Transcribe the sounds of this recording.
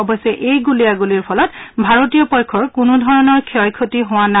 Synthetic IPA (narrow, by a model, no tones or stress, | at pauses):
ɔbɔjsɛʔejɡulijaɡuliɹpʰɔlɔtbʱaɹotijɔpɔjkʰɔɹkunudʱɔɹɔnɔɹkʰɛɔjkʰotiɦʊwana